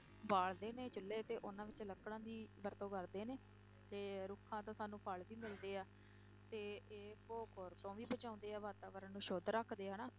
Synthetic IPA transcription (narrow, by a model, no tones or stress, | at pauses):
baːɭd̪eːneːt͡ʃʊlːeːt̪eːʔʊnãːʋɪt͡ʃləkɽãːd̪iːbəɾt̪õːkəɾd̪eːneː | t̪eːɾʊkʰːãːt̪õːsaːnũːpʰəɭʋiːmɪld̪eːaː | t̪eːeːkoːkoːɾt̪õːʋiːbət͡ʃãːnd̪eːaːʋaːt̪aːkəɾənnũːʃoːd̪ɾəkʰd̪eːɦənaː